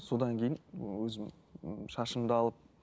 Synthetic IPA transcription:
so̞d̪ɑŋkʲʰe̞jɪnwɵzɪm | ʃɑʃəmd̪əɑlˠəp̚

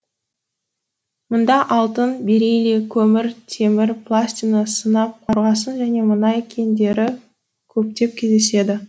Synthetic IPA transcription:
mʊnd̪ɑʔɑlˠt̪ənbeɾejlekʲʰɵmɪɾt̪ʰe̞mɪɾpʰlˠasʲt̪ʲinəsənɑp̚qʰɑɾʁɑsənʒæne̞mənɑjkʲʰe̞nd̪e̞ɾɪ | kʲʰɵp̚t̪e̞p̚kʲʰezd̪e̞se̞d̪ɪ

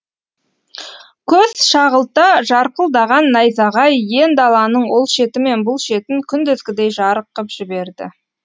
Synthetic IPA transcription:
kʲʰɵz̥ʃɑʁəlˠt̪ɑʒɑɾqəlˠd̪ɑʁɑnːɑjzɑʁɑjje̞nd̪ɑlˠɑnəɴwo̞lˠʃe̞t̪ɪme̞nbʊlˠʃe̞t̪ɪŋkʲʰʏnd̪ʏzɡʲɪd̪e̞jʒɑɾəqːəpʒ̥ɪbe̞ɾd̪ɪ̰

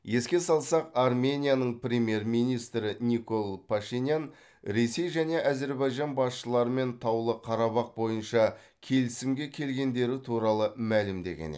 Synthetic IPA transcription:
je̞skʲe̞sɑlˠsɑqɑrmʲe̞nʲijanəɴprʲe̞mʲje̞rminijst̪ɾɪnʲiko̞lˠpʰaʃinʲjan | ɾe̞se̞jʒæne̞ʔæze̞ɾbɑjʒɑnbɑsʃəlˠɑɾəme̞nt̪ʰɑwlˠəqʰɑɾɑβɑq̚bo̞jənʃɑ | kʲʰe̞lɪsɪmɡʲe̞kʲʰe̞lɡʲe̞nd̪e̞ɾɪt̪ʰuɾɑlˠəmælɪmd̪e̞̰ɡʲḛnḛ

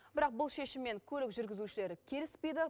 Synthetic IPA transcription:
bɪɾɑq̚bʊlˠʃe̞ʃɪmːe̞ŋkʲʰɵlɪkʒʏɾɡʲɪzuʃɪle̞ɾɪkʲʰe̞lɪspe̞jd̪ɪ

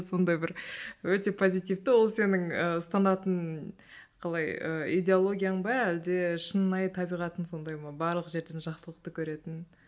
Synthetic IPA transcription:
so̞nd̪ɑjbɪɾwɵt̪e̞pʰo̞zijt̪ijft̪əwo̞lˠse̞nɪŋəʊst̪ɑnɑt̪ən | qʰɑlˠɑjə̰ijd̪ʲe̞olˠo̞ɡʲijaɴbɑæld̪e̞ʃənnɑjt̪ʰɑbijʁɑt̪ənso̞nd̪ɑjmɑbɑɾlˠəqʒe̞ɾd̪e̞nʒɑqsəlˠəq̚t̪əkʲʰɵɾe̞t̪ɪn

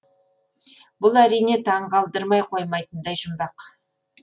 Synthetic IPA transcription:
bʊlˠæɾijne̞t̪ʰɑɴqɑlˠd̪əɾmɑjqʰo̞jmɑjt̪ənd̪ɑjʒʊmbɑq

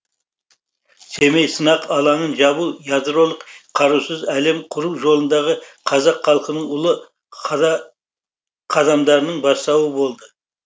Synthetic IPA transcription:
se̞mejsənɑqɑlˠɑɴənʒɑbujɑd̪ɾo̞lˠəqqʰɑɾusəzæle̞mqʰʊɾuwʒo̞lˠənd̪ɑʁəqʰɑzɑqχɑlˠəqənəɴʊlˠə | qʰɑd̪ɑmd̪ɑɾənəɴbɑst̪ɑwəbo̞lˠd̪ə

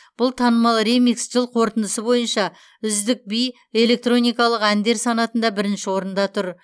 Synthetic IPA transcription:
b̥ʊlˠt̪ʰɑnəmɑlˠremiksʒɪlˠqʰo̞ɾt̪ənd̪əsəbo̞jənʃɑ | ʏzd̪ɪk̚bij | e̞le̞k̚t̪ro̞nʲijkɑlˠəqænd̪e̞ɾsɑnɑt̪ənd̪ɑbɪɾɪnʃɪwo̞ɾənd̪ɑt̪ʰʊɾ

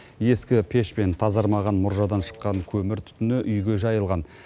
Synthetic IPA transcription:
je̞skʲɪpʰe̞ʃpe̞nt̪ʰɑzɑɾmɑʁɑnmʊɾʒɑwd̪ɑnʃə̥qːɑŋkʲʰɵmɪɾt̪ʰʏ̥t̪ʏnɪʔʏjɡʲe̞ʒɑjəlˠʁɑn

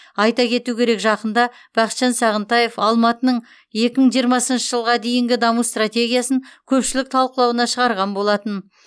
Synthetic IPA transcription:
ɑjt̪ɑkʲʰe̞t̪ukʲʰe̞ɾe̞kʒɑqənd̪ɑ | b̥ɑχqə̥st̪ʃɑnsɑʁənt̪ɑje̞fɑlˠmɑt̪ənəɴ | je̞kʲɪməɴʒijəɾmɑsənʃəʒəlˠʁɑd̪e̞jɪŋɡʲɪd̪ɑmust̪rat̪ʲe̞ɡʲijasəŋkʲʰɵpʃɪlɪk̚t̪ʰɑlˠqəlˠɑwənɑʃəʁɑɾʁɑnbo̞lˠɑt̪ən

